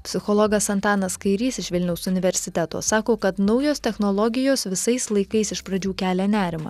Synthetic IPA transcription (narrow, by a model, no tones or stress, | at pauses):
pʲsʲɪxɔlˠɔɡɐsɐnt̪ɑːnɐskɐɪɾʲiːsɪʃʋʲɪlʲnʲɛʊsʊnʲɪʋʲɛɾʲsʲɪt̪ʲæt̪o̰ːsɑːkoːkɐt̪nɒʊjoːst̪ʲɛxnolˠɔɡʲɪjoːsʋʲɪsɐɪslˠɐɪkɐɪsɪʃpɾɐd͡ʒʲuːkʲæːlʲɛnʲæːɾʲɪmɐ̰ː